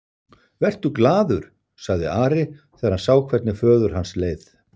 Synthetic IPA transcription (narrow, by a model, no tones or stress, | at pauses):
vɛr̥t̪ʏklaːðʏɾ̥ | saɣðɪ̰aːɾɪ | ɛːaɾhansaːwkʰvɛt̪nɪfœːðʏɾ̥ɦansleːjθ